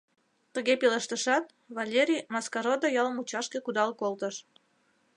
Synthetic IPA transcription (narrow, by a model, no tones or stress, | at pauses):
t̪əɣepiləʃt̪əʃɑt̪̚ | βɑlʲeɾʲijmɑskɑɾod̪ojɑlmut͡ɕɑʃkekud̪ɑlkolt̪əʃ